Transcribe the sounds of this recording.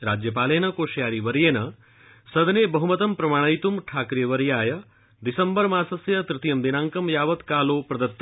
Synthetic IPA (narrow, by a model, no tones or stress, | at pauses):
ɾaːd͡ʒjɐpaːleːnɐkoːʃjaːɾiʋɐɾjeːnɐ | sɐd̪nebɐɦumɐt̪ɐmpɾɐmaːɽ̃ɐjt̪umʈʰaːkɾijɐʋɐɾjaːjɐ | d̪isɐmbɐɾmãːsɐsjɐt̪ɾɪt̪jɐmd̪inaːŋkɐmjaːʋɐt̪kaːloːpɾɐd̪ɐt̪ː